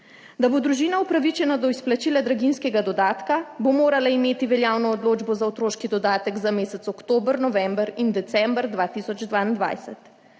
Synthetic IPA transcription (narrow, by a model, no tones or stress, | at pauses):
d̪abod̪ɾuʒiːnaupɾaʋit͡ʃɛnad̪ɔisplat͡ʃiːlad̪ɾaɡinskɛɡad̪ɔd̪aːt̪kabomoːɾalaimeːt̪iʋɛljawnɔːd̪loːd͡ʒbɔzawt̪ɾoːʃkid̪ɔd̪aːt̪ɛɡzameːsɛt̪sɔkt̪oːbɾnɔʋɛmbəɾind̪ɛt̪sɛmbɾd̪ʋaːt̪iːsɔd͡ʒd̪vʋaːind̪ʋa̰jsɛt̪